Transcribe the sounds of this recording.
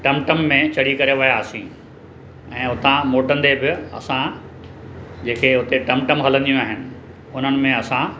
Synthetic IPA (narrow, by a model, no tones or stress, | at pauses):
ʈɐmʈəmːẽt͡ɕɐɽ̤ikɐɾeʋɪjasĩ | ɛ̃ːɦʊt̪ãmoːʈə̃nd̪ebɪɐ̰sã | d͡ʑẽːkʰeːɦʊt̪eʈɐmʈəmɦɐlə̃nd̪ijũaːɦɪnɪ̆ | ʊn̤ənɪ̆mẽɐsã